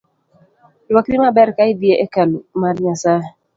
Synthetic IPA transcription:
lwakɾɪmabɛɾkaɪdieʔɛkalumarɲasa

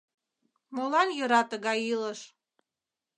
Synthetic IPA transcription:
molɑnjə̆ɾɑt̪əɣɑjiləʃ

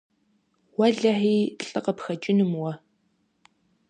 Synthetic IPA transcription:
wɐɮɐħiːɬʼɨqɐpxɐt͡ʃʼɪnɨmwɐ

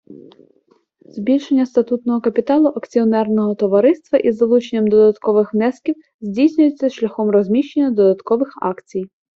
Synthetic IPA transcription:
zbʲilʲʃenʲːɐst̪ɐt̪ut̪nɔɦɔkɐpʲit̪ɑlˠʊʔɐkt͡sʲiɔnɛrnɔɦɔt̪ɔʋɐɾɪst̪ʋɐʔizɐlˠut͡ʃenʲːɐmd̪ɔd̪ɐt̪kɔʋɪxʋnɛskʲiw | zʲdʲijsʲnʲʊjet͡sʲːɐʃlʲɐxɔmrɔzʲmʲiʃt͡ʃenʲːɐd̪ɔd̪ɐt̪kɔʋɪxɑ̰kt͡sʲij

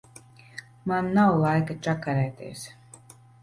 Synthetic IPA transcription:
manːawlˠajkat͡ʃakaɾɛːt̪ḛɛs

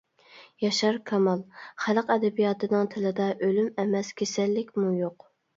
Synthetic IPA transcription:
jɑʃɑɾkʰɑmɑlˠχæləqɛd̪ɛbijɑːt̪ʰɨnɨŋt̪ʰɪlɨd̪ɑʔølymɛmɛskʲʰesɛlːɪkʲmujoq

